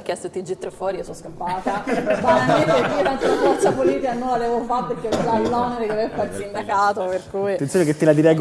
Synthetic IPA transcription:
kːɛst̪ot̪ːid͡ʒit̪ːɾefwɔːɾijsɔskampaːt̪abaaeekːisɛnt̪oamat͡ʃːapoliːt̪ikanõlad̪ɛvofatpeɾkːeɔd͡ʒailːaneɾekeɛpːaɾt̪ind̪akaːt̪operkuːit̪ent̪sjoneket̪ːilad̪iɾɛjɡ

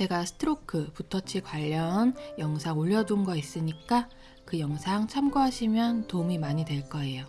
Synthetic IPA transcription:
t͡ɕe̞ɡasʰɯ̥tʰɯɾokʰɯputʰʌt͡ɕʰikwaʎːʌnjʌŋsʰaŋoʎːʌdunɡʌis͈ɯɲik͈a | kɯjʌŋsʰaŋt͡ɕʰamɡoɦaɕʰimjʌntomimaɲidwe̞ɭk͈ʌe̞jo

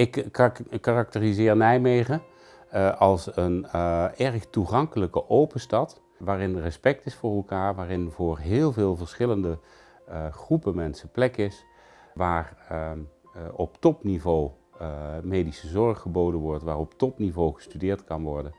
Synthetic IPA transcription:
ɪkː | arɑk̚tərizɪːɹnɛjmejχə | ʔɑlˠsənɛɹχtuχɑŋkələkəʔowpəstɑt | ʋaːrɪnrəspɛk̚tɪsfʊːɹɛlˠkaːɹʋaːrɪnvʊːɹɦɪːlˠvɪːlˠvəɹsχɪləndə | χrupəmɛnsəplɛkɪs | ʋaːr | ɔptɔpnivow | mejdisəzɔɹχəbowdənʋɔɹtʋaːɹɔptɔpnivowχə̥stydɪːɹtkɑnʋɔɹdən

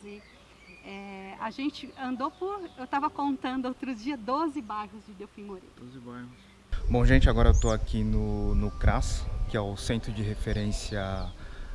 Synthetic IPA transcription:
i | ɛaʒẽt͡ʃɪɐ̃nd̪opʊɾewt̪avɐkõnt̪ɐ̃nd̪ʊowt̪ɾʊd͡ʒiɐd̪ozɪbajɦʊzd͡ʒɪd̪ewfĩmoɾḛozɪbajʊs | bõw̃ʒẽt͡ʃɪaɡɔɾɐewt̪oakinʊnʊkɾaskɪɛʊsẽnt̪ɾʊd͡ʒɪɦefeɾẽsjɐ

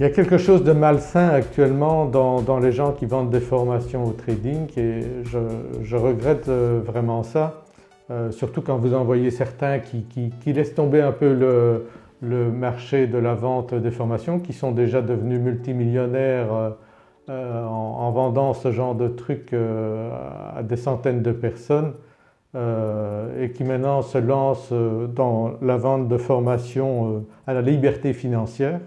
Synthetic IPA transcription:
iljakʲɛlkəʃozd̪əmalsɛ̃akt̪ɥɛlmɑ̃d̪ɑ̃d̪ɑ̃leʒɑ̃kʲivɑ̃d̪d̪efɔʁmasjɔ̃ot̪χed̪iŋeʒəʒəʁəɡʁɛt̪vʁɛmɑ̃sa | øsyʁt̪ukɑ̃vuzɑ̃vwajesɛʁt̪ɛ̃kʲʰikʲikʲilɛst̪ɔ̃beɛ̃pølə | ləmaʁʃed̪əlavɑ̃t̪d̪efɔʁmasjɔ̃kʲisɔ̃d̪eʒad̪əvənymylt̪imiljɔnɛʁø | ɑ̃ːvɑ̃d̪ɑ̃səʒɑ̃ʁd̪ət̪χykø | a̰d̪esɑ̃t̪ɛnd̪əpɛʁsɔn | ø | ekʲimɛ̃t̪nɑ̃səlɑ̃sød̪ɑ̃lavɑ̃t̪̚d̪əfɔʁmasjɔ̃øalalibɛʁt̪efinɑ̃sjɛːʁ

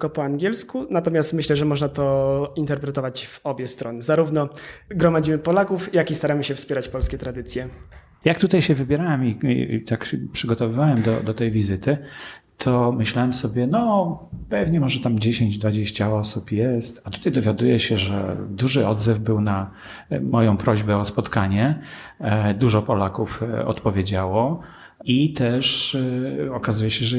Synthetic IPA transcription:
kɔpɔaŋɡʲjɛlskunat̪ɔmʲjast̪mɘɕlɛʐɛmɔʐnat̪ɔint̪ɛɾpɾɛt̪ɔvat͡ɕvɔbʲjɛst̪ɾɔnɘzaɾuvnɔɡɾɔmad͡ʑimɘpɔlakufjakʲist̪aɾamɘɕɛfspʲɛɾat͡ɕpɔlskʲɛt̪ɾad̪ɘt̪sʲjɛ | jak̚t̪ut̪ajɕɛvɘbʲjɛɾawɛmḭt̪akɕɛpʂɘɡɔt̪ɔvɘvawɛmd̪ɔ̰d̪ɔt̪ɛjvʲizɘt̪ɘ | t̪ʰɔmɘɕlawɛmsɔbʲjɛnɔpɛvɲɛmɔʐɛt̪amd͡ʑeɕeɲd͡ʑd̪vad͡ʑeɕt͡ɕaɔsupjɛst̪at̪u̥t̪ajd̪ɔvʲjad̪ujɛɕɛʐɛ̰d̪uʐɘɔd̪zɛvbɘwna | mɔjɔ̃w̃pɾɔʑbɛɔspɔt̪kaɲɛ | d̪uʐɔpɔlakufɔ̰t̪pɔvʲjed͡ʑawɔ | it̪ɛʂ | ɔkazujɛɕɛʐɛ

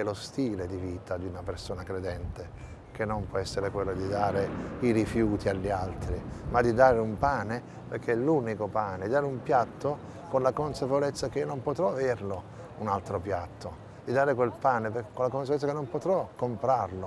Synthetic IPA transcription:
ɛlost̪iːled̪iviːt̪ad̪iunapersoːnakɾed̪ɛnt̪e | k̟enːompwɔɛsːeɾekwelːod̪id̪aːɾeiɾifjuːt̪ʰiaʎːialt̪ɾimad̪id̪aːɾeumpaːne | perk̟ʰːeɛluːnikopaːned̪id̪aːɾɪumpjat̪ːo | konlakonsapevolɛt̪sːakeiːonompot̪ɾɔavɛrlo | unalt̪ɾopjat̪ʰːo | d̪̥id̪aːɾekwelpaːnepkonlakonsaveɛt̪sːakenːompot̪ɾɔkːompɾarlo

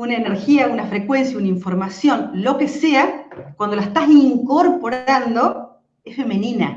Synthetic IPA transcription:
unaene̞ɾxiaunafɾe̞kwens̬jaunaiɱfo̞ɾmasjo̞nlo̞ke̞se̞akwand̪olaest̪asiŋkoɾpo̞ɾand̪o̞ | esfe̞mẽnĩna̰

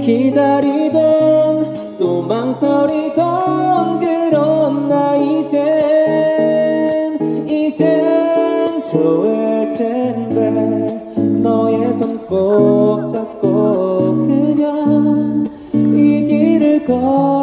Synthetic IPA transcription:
kid̪aɾidon | t̪omaŋsʰʌɾidʌnɡɯɾʌnːaid͡ʑe | nid͡ʑe | nt͡ɕoɡeɭt͡ɕʰende | nʌjesʰʌŋk͈ok̚t͡ɕ͈ap̚k͈okɯɲaŋ | iɡiɾɯɭkʌ

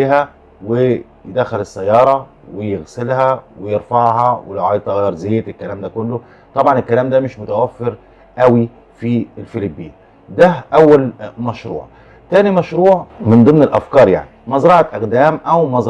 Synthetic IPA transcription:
iːɦæ | we | jd̪æxːælɪsːæjːɑːɾˤɑwejɪɣsɪlhæwɪjɪɾfɑʕɦɑwelʕɑjt̪ˤɑɣjɑɾˤzeːt̪elkːælæːmd̪æːkʊlːʊ | t̪ˤɑbʕɑnelkːælæːmd̪æːmɪʃmʊt̪æwæfːɪɾ | ʔæwi | fielfelibːiː | d̪æʔæwːælmæʃɾˤṵːʕ | t̪æːnimæʃɾuːʕmɪnd̪ˤɨmnelʔæ̰fkɑːɾˤja̰ʕnimɑzɾˤɑʕɑʔæɣd̪æːmʔæwmɑz

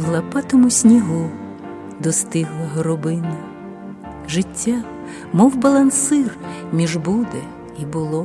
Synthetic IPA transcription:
lˠɐpɑt̪ɔmʊsʲnʲiɦu | d̪ɔst̪ɪɦlˠɐɦɔɾɔbɪnɐ | ʒɪtʲːa | mɔwbɐlˠɐnsɪrmʲiʒbud̪e | ibʊlˠɔ

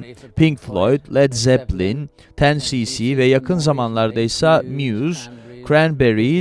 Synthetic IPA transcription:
pʰiŋkflˠojd̪lɛd̪zɛplin | t̪ʰænsisivɛjakʰɯnzamanlˠaɾd̪aisamjuzkʰɾænbɛɾi

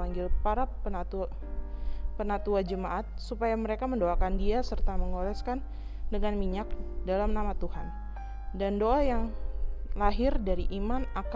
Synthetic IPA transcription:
aŋɡɪlpaɾapənat̪u | pənat̪uad͡ʒəmaʔat̪̚supajaməɾekaməndoakandiasərt̪aməŋolɛskan | dəŋanmiɲak̚dalamnamat̪uhan | dandoajaŋ | laɦɪrdaɾiʔimanak

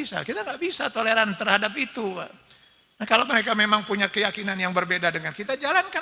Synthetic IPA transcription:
isa̰kit̪aŋɡaʔbisat̪oleɾant̪ərhadap̚it̪ua̰ | nahkalowməɾekamemaŋpuɲakəjakinanjaŋbərbedadəŋankit̪ad͡ʒalanka

